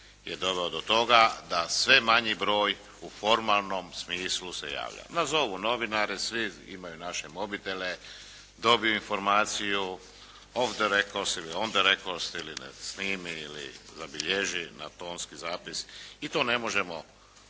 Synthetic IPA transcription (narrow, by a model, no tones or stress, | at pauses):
jḛd̪o̞ʋeod̪o̞t̪o̞ɡad̪asʋe̞maɲibɾo̞ːj | ufo̞ɾmalˠno̞msmiːsluse̞̰ja̰ːʋʎa̰nazo̞ʋuno̞ʋinaɾisʋiḭmajunaʃemo̞bit̪ele | d̪o̞bijuinfo̞ɾmaːt̪siju | ofd̪eɾekosiliond̪eɾekost̪ilinḛsniːmiilḭzabiʎeʒina̰t̪o̞ːnskizaːpisit̪o̞ːne̞mo̞ʒe̞mo